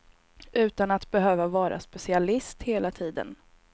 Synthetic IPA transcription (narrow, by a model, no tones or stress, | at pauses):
ʔʉ̟ːt̪anat̪bɛɦøːvavɑːɾʔa̰spɛsɪalɪst̪heːlat̪ʰiːd̪ə̰n